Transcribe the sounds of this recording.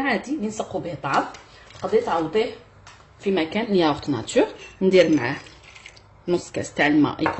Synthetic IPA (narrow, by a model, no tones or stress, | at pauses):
ʕad̪ilənsəqːubiht̪ˤːɑʕɑf | t̪qɑd̪it̪ʕɑwd̪ˤih | fimækænnjæwʊqt̪næ̰t̪yʁnd̪iɾmʕah | muskæ̰st̪aʕlmæ̰jk